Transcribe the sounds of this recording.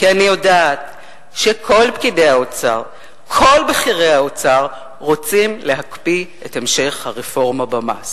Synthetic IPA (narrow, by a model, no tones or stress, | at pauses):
kianijodaːt | ʃekʰo̞lpkide̞aot͡saʁ | kʰo̞lbeχiʁeaot͡saʁ | ʁot͡simle̞ɦakpi | etemʃe̞χhaʁefo̞ʁmabama̰s